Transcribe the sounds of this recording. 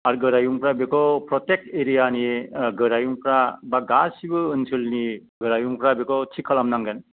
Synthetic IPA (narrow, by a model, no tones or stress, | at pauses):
aɾɡɯɾajuŋpɾabekʰɔwpɾɔtek̚teɾijaniɡɯɾajuŋpɾabaɡasibɯːnsʰɯlni | ɡɯɾajuŋpɾabekɔwtʰikʰːalamnaŋɡɯn